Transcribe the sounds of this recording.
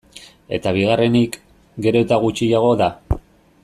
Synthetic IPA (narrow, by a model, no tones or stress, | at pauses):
e̞̰t̪aβ̞iɣare̞nik | ɡe̞ɾo̞et̪aɣut͡ʃijaɣ̞o̞ða